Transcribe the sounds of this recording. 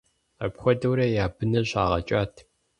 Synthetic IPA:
ɐpxʷɔdɐwɾɐjaːbɨnɐɕʼaːʁɐt͡ʃʼaːtʰ

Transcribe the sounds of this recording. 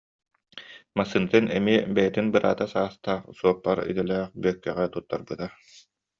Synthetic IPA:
masːɯnɯt̪ɯnɛmiɛbɛjɛt̪inbɯɾʔa̰ːt̪asaːst̪aːχsuɔp̚laɾḭt̪ɛlɛːχbyœkːɛʁɛt̪ut̪ːa̰ɾbɯt̪a

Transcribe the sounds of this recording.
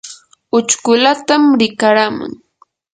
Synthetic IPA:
ʊt͡ʃkʊlat̪amɾɪkaɾamʊ̰ŋ

